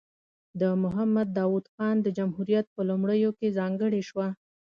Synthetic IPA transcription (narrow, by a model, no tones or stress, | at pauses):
d̪əmʊɦamːad̪ːɑwud̪xɑnd̪əd͡ʒamhuɾijat̪̚pəlumɽəjokezɑŋɡəɽeʃwa